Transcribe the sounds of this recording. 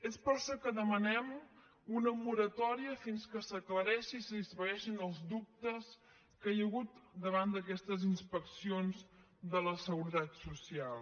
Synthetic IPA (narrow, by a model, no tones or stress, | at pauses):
espəɾʃɔkəðəmənɛm | unəmuɾət̪ɔɾiəfinskəsəkləɾɛʃiːsəðisfəɣɛʃinəlˠzd̪up̚t̪əs | kəjəɣut̪d̪əβand̪əkɛst̪əzinspəksionz | d̪ələsəɣuɾət̪at̪susialˠ